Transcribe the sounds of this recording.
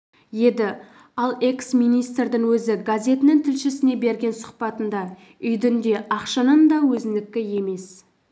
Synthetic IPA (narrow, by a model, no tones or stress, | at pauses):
je̞d̪ɪ | ɑlˠe̞ksmijnijst̪rd̪ɪŋwɵzɪɡazʲe̞t̪ɪnɪŋt̪ʰɪlʃɪsɪne̞be̞ɾɡʲe̞nsʊ̥qpɑt̪ənd̪ɑ | ʏjd̪ɪnd̪e̞ʔɑqʃɑnənd̪ɑwɵzɪnd̪ɪkʲːɪje̞me̞s